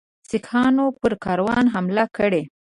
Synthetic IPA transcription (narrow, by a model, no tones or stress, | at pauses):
sɪkʰɑnopəɾkɑɾwɑnɦamlakəɽe